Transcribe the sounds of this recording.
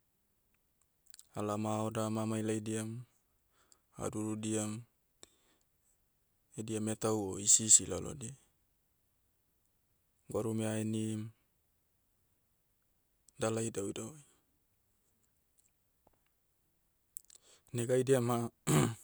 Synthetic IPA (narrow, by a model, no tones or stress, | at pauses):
alamaodamamajlajdiam | a̰duɾudiam | ediametawoisisilalo̰di | ɡaɾumeaenim | dalajdawdaoj | neɡajdiama